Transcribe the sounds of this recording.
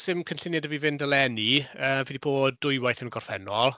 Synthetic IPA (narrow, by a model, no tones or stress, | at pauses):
sɪmkʰənɬɪnjadəvivɪndəlˠɛniəːvidibʰoːdʊjwajθənɡɔr̥fɛnɔlˠ